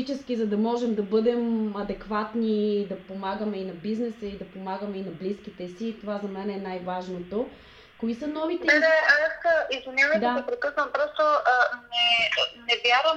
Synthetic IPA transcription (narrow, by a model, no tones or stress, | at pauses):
it͡ʃɛsk̟izɐd̪ɐmɔʒɛmd̪ɐbɤd̪ɛmɐd̪ɛkvat̪nid̪ɐpomaɡəmɛinɐbiznɛsəid̪ɐpomaɡəmɛinɐbliskit̪ɛsiːt̪ovazɐmɛnɛnajvaʒnot̪o | koisənɔvit̪ɛɛɛasəizvinʲavəd̪apɾɛkɤsnəmpɾɔst̪oənɛnɛvʲjaɾəm